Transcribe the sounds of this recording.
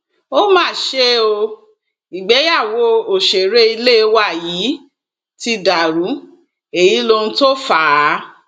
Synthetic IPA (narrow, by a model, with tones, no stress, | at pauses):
o˦mãː˦˨ʃe˦o˧ | i˨ɡ͡bɛ˨˦ja˦˨wo˧˦o˨ʃe˨ɾe˦i˧le˦˨˧wa˦˨ji˨˦ | ti˧da˨ɾu˨˦ | e˨ji˨˦lo˧nũ˦to˦fa˦˨˦